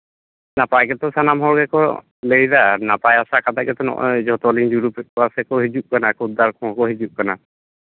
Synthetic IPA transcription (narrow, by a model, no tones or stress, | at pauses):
napajkɛt̪ɔsanamɦɔɾɡɛkɔ̰ | lejɾanapajasakat̪aʔ̚kɛt̪ɔnɔ̰ʔɔ̰d͡ʒɔt̪ɔliŋd͡ʒuɾupɛt̚ɔasɛkɔɦid͡ʒuʔ̚kanakud̪aɾkʰɔ̃ɔkɔɦid͡ʒuʔ̚kana